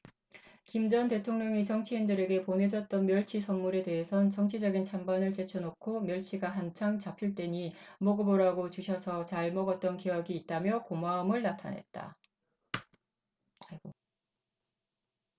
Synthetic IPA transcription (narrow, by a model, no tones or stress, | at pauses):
kimd͡ʑʌnte̞tʰoŋɲʌŋit͡ɕʌŋt͡ɕʰiindɯɾe̞ɡe̞pone̞d͡ʑʌt̚t͈ʌnmjʌɭt͡ɕʰisʰʌnmːuɾe̞de̞ɦesʰʌnt͡ɕʌŋt͡ɕʰid͡ʑʌɡint͡ɕʰambanɯɭt͡ɕe̞t͡ɕʰonokʰomjʌɭt͡ɕʰiɡaɦant͡ɕʰaŋt͡ɕapʰiɭt͈e̞ɲimoɡɯboɾaɡot͡ɕuɕʰʌsʰʌt͡ɕaɭmʌɡʌt̚t͈ʌnkejʌɡiːt̚t͈amjʌkomaːmɯɭnatʰa̰nɦe̞̰t̚t͈a̰ | ɡo